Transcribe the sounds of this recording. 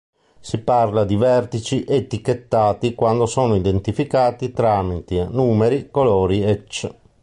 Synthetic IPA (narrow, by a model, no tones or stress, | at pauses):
siparlad̪ivɛrt̪it͡ʃiʔet̪ːikːet̪ːaːt̪ikwand̪osɔːnoid̪ent̪ifikaːt̪it̪ɾaːmit̪inuːmeɾikolɔːɾiɛt͡ʃː